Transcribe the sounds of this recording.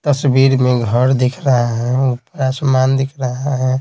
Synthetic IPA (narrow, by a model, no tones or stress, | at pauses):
t̪əsbiːɾmẽɡʱəɾd̪ekʰɾəɦaɦɛ̃upɾasəmaːnd̪ɪkʰɾəɦaɦɛ̃